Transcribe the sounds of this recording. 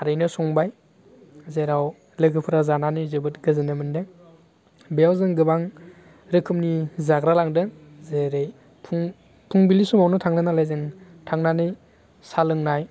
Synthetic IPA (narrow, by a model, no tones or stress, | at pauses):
aɾɯjnɯsɔŋbaj | zeɾaw | lɯɡɯpʰɯɾazananɯjzɯbɯtɡɯzɯnɯmɯndɯ | beawzɯŋɡɯbaŋ | ɾɯkʰɯmnizaɡɾalaŋdɯ | zeɾej | pʰuŋ | pʰuŋbilisumawnɯtʰaŋnɯnalajzɯŋ | tʰaŋnanɯj | salɯŋnaj